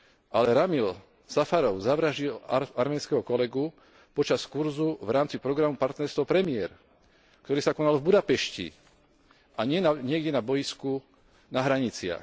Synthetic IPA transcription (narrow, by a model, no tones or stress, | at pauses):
ʔalɛɾamil | safaɾɔʊzaʋɾaʒilaɾmɛːnskɛɦɔkɔlɛɡu | pɔt͡ʃaskuɾzuvɾaːmt͡sipɾɔɡɾamupaɾt̪nɛɾst̪ʋɔpɾɛmɪɛɾ | kt̪ɔɾiːsakɔnalvbud̪apɛʃcḭ | ʔaɲɪɛaɲɪɛɡɟɛnabɔjisku | naɦɾaɲit͡sɪa̰x